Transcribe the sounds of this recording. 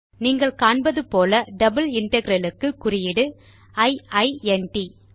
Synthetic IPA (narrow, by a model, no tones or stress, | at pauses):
niːŋɡɐɭkaːɳbɐðɯpoːlɐɖɐbɯlɪɳʈɐɡɪɾɐlɯkːɯkːʊrɪjɪɽɯ | ɐɪɐɪɛnʈi